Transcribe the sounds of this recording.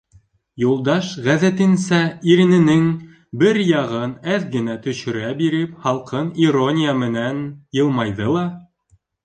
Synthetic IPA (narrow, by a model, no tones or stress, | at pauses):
julˠd̪ɑʃʁæðæt̪ɘ̆nsæiɾɘ̆nɘ̆nɘŋ | bɘɾjɑʁɤnæðɡɘ̆næt̪ɵ̆ɕɵ̆ɾæbiɾɘpχɑlˠqɤnironʲijamɘ̆nænjɤ̆lˠmɑjðɤlˠɑ